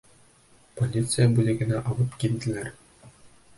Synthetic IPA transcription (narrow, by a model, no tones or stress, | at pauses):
polʲit̪sɨjabulʲɘ̆ɡʲɘ̆næʔɑlˠɤpkʲilʲd̪ʲɘ̆lʲær